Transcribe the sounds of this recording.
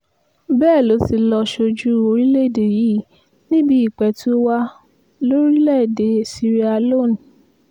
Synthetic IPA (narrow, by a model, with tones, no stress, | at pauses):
bɛː˦˨lo˨˦ti˧lɔ˧ʃo˧d͡ʒu˦o˧ɾi˦le˦˨de˨ji˨˦ | nĩ˦bi˦i˨k͡pɛ˧tu˦wa˦ | lo˦ɾi˦lɛ˦˨de˧˨si˧ɾi˦a˧lo˦˨n˨